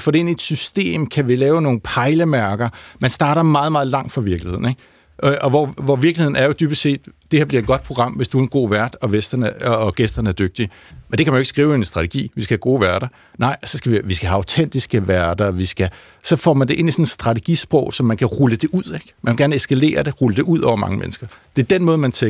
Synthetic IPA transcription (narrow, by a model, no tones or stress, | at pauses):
fɒːɾe̝e̝nied̥sysd̥e̝̰ːmkʰæʋilɛːʊno̝ːn̩pʰɑ̈ɪləmæɐɡ̥ɐmænsd̥ɑ̈ːɾɐmɑ̈ːð̞̩ˠmɑ̈ːð̞̩ˠlɑ̈ŋ̰d̥fɑ̈ʋiɐɡ̥lihe̝ð̰ˠn̩eɡ̥ | ʔʔɒ̽ʋɒʋɒʋiɐɡlihe̝ðˠn̩æɐjo̝d̥yːb̥əse̝̰ːd̥d̥e̝heɐbliɐe̝d̚ɡ̥ɒ̽d̥̚pʰʁoɡʁɑ̈m̰ʋesd̥uenɡ̥o̝̰ːʋæɐd̥ɒ̽ʋesd̥ɐnəːɡ̥esd̥ɐnəæɐd̥øɡ̥̚d̥i | mend̥e̝kʰæmænoeɡ̥sɡ̥ʁiːʊensd̥ʁɑ̈t͡sʰeɡ̥ḭːʋisɡ̥æhæɡ̥o̝̰ːʋæɐɾɐ | nɑ̈ɪ̰sɒ̽sɡ̥æʋiʋisɡ̥æɦæɑ̈ʊt͡sʰen̰d̥isɡ̥əʋæɐd̥ɐʋisɡ̥æ | sɒ̽fɒ̰ːmænde̝ʔe̝n̰isɒ̽nsd̥ʁɑ̈t͡sʰe̝ɡ̥ḭsb̥ʁɔʊ̰sɒ̽mːænkʰæʁuləd̥e̝ʔuð̰ˠeɡ̥mænʋeɡæɐnesɡ̥æle̝̰ːɐd̥e̝ʁuləd̥e̝ʔuð̰ˠɒ̰ʊɐmɑ̈ŋəmḛnsɡ̥ɐd̥e̝ɐd̥enmɔ̽ːð̞̩ˠmænt͡sʰe